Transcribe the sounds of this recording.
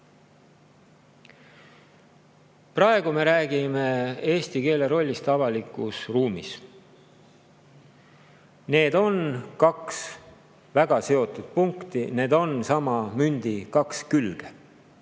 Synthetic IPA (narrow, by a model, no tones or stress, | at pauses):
prɑe̞ɡ̥ume̞ɾæːɡime̞e̞ːst̪ike̞ːle̞ɾo̞lʲːist̪ɑvɑlikˑusruːmḭs | ne̞ːd̪̥o̞nkɑks | væɡ̥ɑse̞o̞t̪ˑud̪̥̚puŋkt̪ine̞ːd̪o̞nsɑmɑmynʲd̪̥ikɑkskylɡ̥e